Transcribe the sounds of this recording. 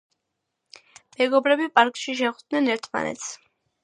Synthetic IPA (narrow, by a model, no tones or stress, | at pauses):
mɛɡɔbɾɛbipʼaɾkʼʃiʃ̬ɛχd̪nɛnɛɾt̪ʰma̰nɛ̰t̪s